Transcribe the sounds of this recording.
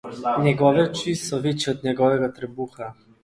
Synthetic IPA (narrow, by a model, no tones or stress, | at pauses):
nɛɡɔvɛt͡ʃisɔvit͡ʃiot̪nɛɡɔvɛɡat̪ɾɛbuxa